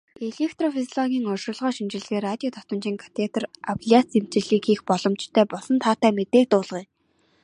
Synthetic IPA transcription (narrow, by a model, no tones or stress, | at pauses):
eɮekʰt̪rɔfizɔɮɔɣʲiːŋɔrʃʊ̆ɮʁɔːʃimt͡ɕɪ̆ɮɣeːrat̪ʲiɔt̪ʰɔ̥t̪ə̆nt͡ɕiːŋkʰḁt̪ʰet̪̆rapɮiat͡sem̥t͡ɕɪ̆ɮiːkixpɔɮɞ̆mt͡ɕt̪ʰœːpɔsɞ̆nt̪ʰaːt̪æːmet̪eːk̚t̪ʊːɮʁiː